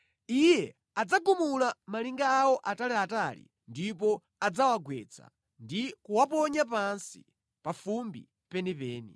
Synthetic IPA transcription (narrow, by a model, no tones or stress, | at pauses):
ijɛ | ad͡zaɡumulamaliŋɡaːwɔʔatalɛatalḭ | ndipɔ | ad͡zawaɡwɛt͡sʰa̰ | ndikuwapɔɲap̬ansi̥̰ | pafumbi | pɛnipɛːnḭ